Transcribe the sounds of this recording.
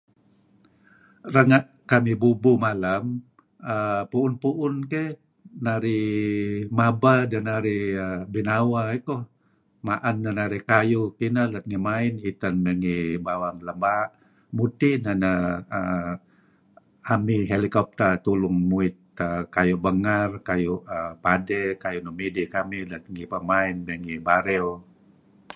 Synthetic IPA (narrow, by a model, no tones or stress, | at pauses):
rəŋaʔ | kamibubumalam | əpuːnpuʔʊnke | naɾi | mabadanaɾiəbinawaikɔh | maʔanːanaɾihkajukinalat̪̚ŋimainit̪anːəŋibawaŋləmbaʔ | mut̪inanaə | amiɦelikɔp̚t̪ət̪ulʊŋmuɪt̪̚əkajuʔbəŋarkajuʔəpadɛkajunumidikamilat̪̚ŋipəmaɪnmɛŋibaɾɛl